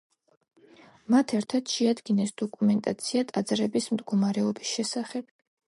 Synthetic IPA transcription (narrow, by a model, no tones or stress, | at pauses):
mat̪ʰɛɾt̪ʰad̪̥ʃɛad̪ɡinɛsd̪̥ɔkʼumɛnt̪ʼat̪sʰiat̪ʼad̪zɾɛbismd̪ɡɔmaɾɛɔbisʃɛsaχɛb̥̚